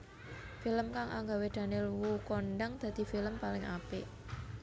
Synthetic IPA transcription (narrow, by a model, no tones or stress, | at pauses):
filəmkaŋʔa̰ŋɡawed̪̥a̤nelwukonɖəŋd̪̥ä̤d̪̥i̤filəmpalɪŋʔa̰pɪ